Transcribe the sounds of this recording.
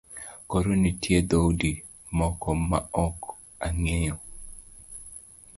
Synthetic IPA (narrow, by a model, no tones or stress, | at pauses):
koɾonitʰjed̪owdi | mɔkɔmaɔk | aŋejɔ